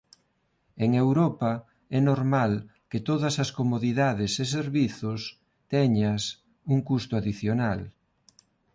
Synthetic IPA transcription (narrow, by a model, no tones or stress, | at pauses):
eŋewɾopɐ | ɛnoɾmalket̪oðɐsɐskomoðiðaðɪses̬eɾβiθʊs | t̪ɛɲas | uŋkust̪ʊaðiθjonal